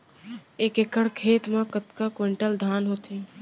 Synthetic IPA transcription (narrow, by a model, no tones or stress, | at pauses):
eːkekəɽkʰeːt̪mẽkət̪kakweɳʈəld̪ʱaːnɦoːt̪e